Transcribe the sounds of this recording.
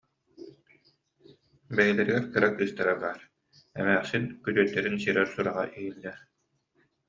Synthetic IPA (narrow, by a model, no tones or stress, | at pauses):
bɛjilɛɾiɡɛɾkɯɾakɯːst̪aɾabaːɾ | ɛ̰mɛːχsinkyt̪yːt̪ːɛɾinsiɾɛɾsuɾaʁa̰ʔiilːɛɾ